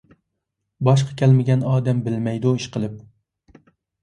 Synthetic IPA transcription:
bɑʃ̬qʰɑ̥kʲʰɛlmɪɡʲɛnɑːd̪ɛmbɪlmɛjd̪uiʃqʰəlˠɨp̚

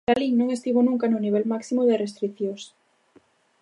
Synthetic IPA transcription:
t̪alinõŋest̪iβonũŋkanoniβ̞ɛlmaksimoðerest̪ɾiθjos

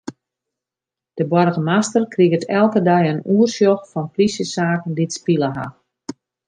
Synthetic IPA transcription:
d̥əbwɔrɣəmastərkriɣətʰɛlˠkədɛjənuərsjɔxfɔnplisjəsaːkən̩ditspilˠəɦa̰

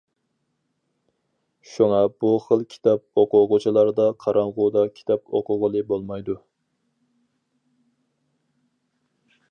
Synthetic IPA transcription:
ʃuŋɑb̥uχəlˠkʲʰi̥t̪ʰɑp̚oqʊʁʊt͡ʃʰilˠɑɾd̪ɑqʰɑɾɑŋʁʊd̪ɑkʲʰi̥t̪ʰɑpoqʊʁəlˠɨbolˠmɑjd̪u

